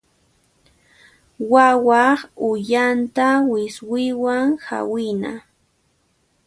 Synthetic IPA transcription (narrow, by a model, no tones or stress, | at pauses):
wawɑχʊjant̪awɪswɪwaŋha̰wɪna̰